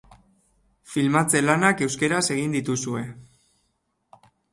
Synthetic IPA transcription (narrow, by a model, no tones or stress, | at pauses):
filmat͡se̞lanake̞wske̞ɾase̞ɣ̞ind̪it̪usue̞